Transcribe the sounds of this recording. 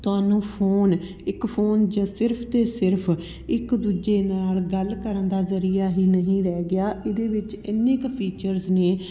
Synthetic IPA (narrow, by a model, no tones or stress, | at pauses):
t̪ʊaːnũːpʰoːn | ɪkpʰoːnd͡ʒaːsɪɾpʰt̪eːsɪɾpʰ | ɪkd̪uːd͡ʒeːnaːlɡəlkəɾənd̪aːzəɾiːaːɦiːnəɦĩːɾɛːɡɪaːʔɪd̪eːʋɪt͡ʃ | ɪnːẽkpʰiːt͡ʃəɾzneː